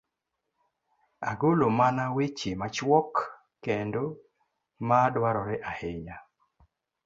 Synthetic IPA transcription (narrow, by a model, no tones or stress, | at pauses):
a̰ɡolomanawet͡ʃemat͡ʃwɔkː | endo | madwaɾɔɾɪʔaheɲa